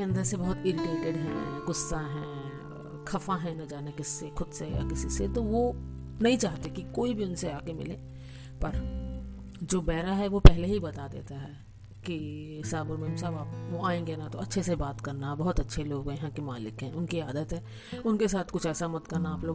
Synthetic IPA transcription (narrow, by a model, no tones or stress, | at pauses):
keɐ̃nd̪əɾsebɐɦʊt̪ɪɾɪʈeːʈeɖɦɛ̰̃ɡʊsːaɦɛ̃ | kʰɐfãɦɛ̃nɐd͡ʒaːnekɪsːexʊd̪seja̰kɪsiset̪oʋo | nɐɦĩt͡ʃaːɦt̪ekikoːibʱiʊnseaːkemɪ̰lẽː | pɐɾ | d͡ʒoːbɛːɾaɦɛʋopɛɦleɦibɐt̪ad̪ḛːt̪aɦɛ | kiɦɪsaːbʊɾmeːmsabaːpoaːẽːŋɡenat̪oɐtːʃʰesebaːt̪kɐɾnabɐɦʊt̪ɐtːʃʰeloːɡɐɦãkimaːlɪkɦɛ̃ːʊnkiaːd̪ət̪ɦɛ̃ː | ʊnkesaːt̪ʰkʊt͡ʃʰɛːsamɐt̪kɐɾnaaːploː